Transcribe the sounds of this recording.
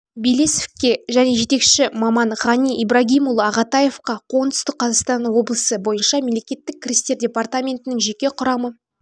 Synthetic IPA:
bilesefkʲe̞ʒæne̞ʒe̞t̪e̞kʃɪmɑmɑnʁɑniʔibɾɑɡʲijmulˠəɑʁɑt̪ɑje̞fqɑqʰo̞ʁənd̪ʏst̪ɪk̚qʰːɑzɑqst̪ɑnwo̞blˠəsəbo̞jənʃɑmʲemle̞kʲe̞t̪ːɪk̚kʰʲːɪɾʲist̪e̞rdʲe̞part̪amʲe̞nt̪ɪnɪŋʒe̞kʲe̞qʰʊɾɑmə

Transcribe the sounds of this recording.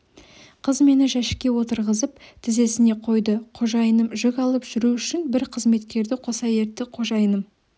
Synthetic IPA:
qʰəzme̞nɪʒæʃɪ̥kʲːe̞wo̞t̪əɾʁəzəp̚t̪ʰɪze̞sɪne̞qʰo̞jd̪əqʰo̞ʒɑjənəmʒʏkʲɑlˠəpʒ̥ʏɾuʏʃɪnbɪɾqʰəzme̞t̪kʲe̞ɾd̪ɪqʰo̞sɑje̞ɾt̪ːɪqʰo̞ʒɑjənəm

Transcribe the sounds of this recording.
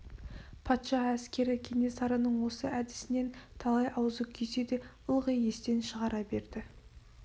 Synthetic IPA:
pʰɑt̪ʃɑæskʲe̞ɾɪkʲʰenʲesɑɾənəɴwo̞səæd̪ɪ̥sɪne̞nt̪ʰɑlˠɑjʔɑwzukʲʰese̞d̪e̞ʊlˠʁəje̞st̪e̞nʃəʁɑɾɑbe̞ɾd̪ɪ

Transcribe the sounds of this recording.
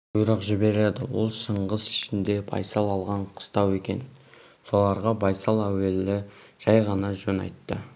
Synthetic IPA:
bʊjɾɑqʒɪbe̞ɾled̪ɪwo̞lˠʃəɴʁəzɪ̥ʃɪnd̪e̞bɑ̰jsɑlˠɑlˠʁɑɴqʰə̥st̪ɑwe̞kʲe̞̰n | so̞lˠɑɾʁɑbɑjsɑlˠæwe̞lːɪ | ʒ̥ɑjʁɑnɑʒɵnɑ̰jt̪ːə

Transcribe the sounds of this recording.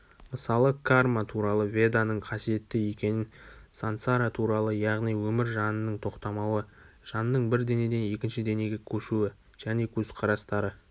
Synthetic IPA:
məsɑlˠəkʰarmat̪ʰuɾɑlˠəvʲe̞d̪anəɴqʰɑsije̞t̪ːɪje̞kʲe̞nɪnsant̪saɾat̪ʰuɾɑlˠəjɑʁnijwɵmɪɾʒɑnənəɴt̪ʰo̞qt̪ɑmɑwə | ʒ̥ɑnnːəɴbɪɾd̪e̞ne̞d̪e̞ne̞kʲɪnʃɪd̪e̞ne̞ɡʲɪkʲʰɵʃuɪ | ʒ̥æne̞kʲʰɵzqʰɑɾɑst̪ɑɾə

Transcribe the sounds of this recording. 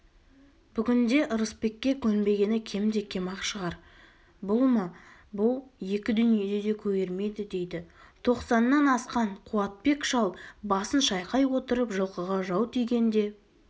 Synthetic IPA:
b̥ʏɡʲɪnd̪e̞ʔəɾəspe̞kʲːe̞kʲʰɵnbe̞ɡʲe̞nɪkʲʰe̞md̪e̞kʲʰe̞mɑqʃəʁɑɾ | bʊlˠmɑbʊlˠje̞kʲɪd̪ʏnije̞d̪e̞d̪e̞kʲʰɵje̞ɾme̞d̪ɪd̪e̞jd̪ɪt̪ʰo̞qsɑnːɑnɑsqɑɴqʰuɑt̪̚pe̞kʃɑlˠbɑsənʃɑjqɑjwo̞t̪əɾəpʒəlˠqəʁɑʒɑwt̪ʰijɡʲe̞nd̪e̞

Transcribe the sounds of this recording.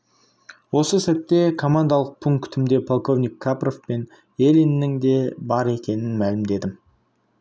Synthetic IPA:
wo̞səsæt̪ːe̞kʰo̞mand̪alˠəq̚pʰuŋkt̪ʰɪmd̪e̞pʰo̞lˠko̞vnijkʰːapro̞fpe̞n | elinːɪŋd̪e̞bɑɾe̞kʲe̞nɪnmælɪmd̪e̞d̪ɪm

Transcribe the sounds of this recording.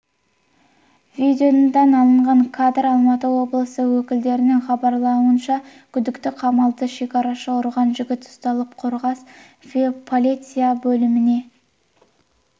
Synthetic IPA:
vʲid̪ʲeond̪ɑnɑlˠəɴʁɑɴkʰad̪ɾɑlˠmɑt̪əwo̞blˠəsəwɵkʲɪld̪e̞ɾɪnɪŋχɑbɑɾlˠɑuənʃɑkʲʰʏd̪ɪkt̪ɪqʰɑmɑlˠd̪əʃe̞kʲɑɾɑʃɑʊɾʁɑnʒʏɡʲɪt̪ʊ̥st̪ɑlˠəp̚qʰo̞ɾʁɑs | fpʰo̞lʲit̪sɨjabɵlɪmɪne̞

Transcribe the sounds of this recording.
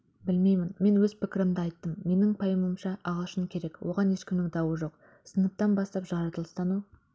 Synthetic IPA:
bɪlme̞jmɪnme̞nwɵzpɪkʲɪɾɪmd̪ɪɑjt̪ːəmːe̞nɪŋpʰɑjəməmʃɑʔɑʁəlˠʃəmkʲʰe̞ɾe̞kwʔo̞ʁɑne̞ʃkʲɪmnɪŋd̪ɑwəʒo̞q | sənəp̚t̪ɑnbɑst̪ɑpʒɑɾɑt̪əlˠəst̪ɑnu

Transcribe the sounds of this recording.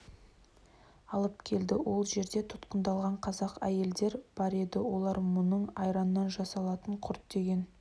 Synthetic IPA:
ɑlˠəpkʲʰe̞ld̪ɪwʔo̞lˠʒe̞ɾd̪e̞t̪ʰʊ̥t̪qənd̪ɑlˠʁɑɴqʰɑzɑqæje̞ld̪e̞ɾb̥ɑɾe̞d̪ɪwo̞lˠɑɾmʊnəɴɑjɾɑnːɑnʒɑsɑlˠɑt̪əɴqʰʊɾt̪̚d̪e̞ɡʲe̞n

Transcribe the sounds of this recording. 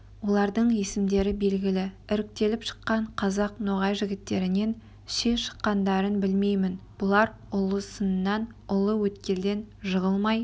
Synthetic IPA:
wo̞lˠɑɾd̪əɴje̞sɪmd̪e̞ɾɪbe̞lɡʲɪlɪɪɾɪk̚t̪e̞lɪpʃə̥qːɑɴqʰɑzɑqnoʁɑjʒɪɡʲɪt̪ːe̞ɾɪne̞n | ʃeʃə̥qːɑnd̪ɑɾənbɪlme̞jmɪnb̥ʊlˠɑɾ | ʊlˠəsənənːɑn | ʊlˠəwɵt̪kʲe̞ld̪e̞nʒəʁəlˠmɑj

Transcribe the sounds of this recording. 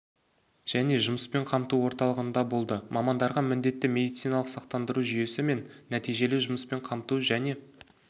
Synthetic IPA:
ʒ̥æne̞ʒʊməspe̞ɴqʰɑmt̪uwo̞ɾt̪ɑlˠəʁənd̪ɑbo̞lˠd̪əmʔɑmɑnd̪ɑɾʁɑmɪnd̪e̞t̪ːɪme̞d̪ijt̪sijnɑlˠəqsɑqt̪ɑnd̪əɾuʒʏje̞sɪme̞nːæt̪ijʒe̞lɪʒʊməspe̞ɴqʰɑmt̪uʒæne̞

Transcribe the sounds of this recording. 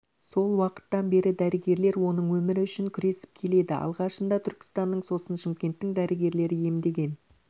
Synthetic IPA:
so̞lˠwɑqə̥t̪ːɑnbe̞ɾɪd̪æɾɪɡʲe̞ɾle̞ɾwo̞nəɴwɵmɪɾɪʏʃɪŋkʲʰʏɾe̞sɪ̥p̚kʲʰe̞le̞d̪ɪʔɑ̰lˠʁɑʃənd̪ɑt̪ʰʏɾkʲɪ̥st̪ɑnːəɴso̞sənʃɪmkʲe̞nt̪ːɪŋd̪æɾɪɡʲe̞ɾle̞ɾɪje̞md̪e̞ɡʲe̞n

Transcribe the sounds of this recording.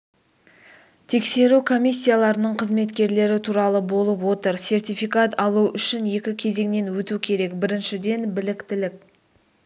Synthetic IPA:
t̪ʰe̞kse̞ɾukʰo̞mʲijsʲːijalˠɑɾənəɴqʰəzme̞t̪kʲe̞ɾle̞ɾɪt̪ʰuɾɑlˠəbo̞lˠəpwo̞t̪əɾse̞rt̪ʲijfikat̪ɑlˠuʏʃɪnje̞kʲɪkʲʰe̞ze̞ŋne̞nwɵt̪ukʲʰe̞ɾe̞kbɪɾɪnʃɪd̪e̞nbɪlɪkt̪ɪlɪk̚ʲ

